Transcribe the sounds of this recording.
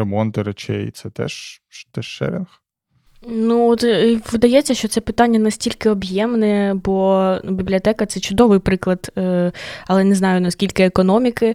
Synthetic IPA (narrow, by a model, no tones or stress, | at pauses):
emɔnt̪ɪɾet͡ʃʲɛ̰j̰t̪sɛt̪ɛ̰ʃt̪ɛʃːɛ̰ɾɛnx | nuɔt̪ʋɪd̪ɐjɛt͡sʲːɐʃt͡ʃɔt̪sɛpɪt̪ɑnʲːɐnɐsʲtʲilʲkɪɔbjɛmnɛbɔnbʲiblʲiɔt̪ɛkɐt̪sɛt͡ʃʊd̪ɔʋɪjpɾɪklˠɐd̪ | ɐlˠɛnɛznɑjʊnɐskʲilʲkɪekɔnɔmʲikɪ